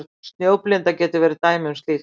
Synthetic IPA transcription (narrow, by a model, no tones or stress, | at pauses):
ɾ̥t̪st̪njoːwplɪnt̪acɛːt̪ɪvɛːɾɪt̪aːjmʏnst̪liːx